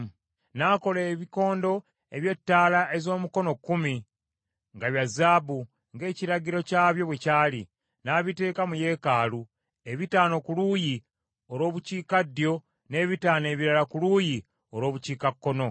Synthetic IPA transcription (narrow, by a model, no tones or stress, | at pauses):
naːko̞leːβiko̞ːndo̞ | e̞βje̞tːaːlaʔe̞zo̞ːmuko̞no̞kːumi | ŋɡaβjazaːbu | ŋɡe̞ːciɾaɟiɾo̞caːβjo̞βwecaːli | naːβite̞ːkamuje̞ːkaːlu | e̞βitaːno̞kuluːji | o̞ɾo̞ːβuciːkadːjo̞ | ne̞ːβitaːne̞ːβiɾalakuluːji | o̞ɾo̞ːβuciːkakːo̞no̞